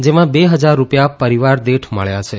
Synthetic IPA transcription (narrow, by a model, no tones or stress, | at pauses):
d͡ʒemãbeɦəd͡ʒaɾːupjapəɾiʋaɾd̪eʈʰmə̰ɭjat͡ʃʰe